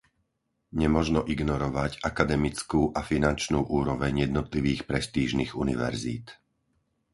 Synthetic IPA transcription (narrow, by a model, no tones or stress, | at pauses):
ɲɛmɔʒnɔʔiɡnɔɾɔʋacakad̪ɛmit͡skuːʔafinant͡ʃnuːʔuːɾɔʋɛɲjɛd̪nɔt̪liʋiːxpɾɛst̪iːʒniːɣunḭʋɛ̰ɾzḭːt̪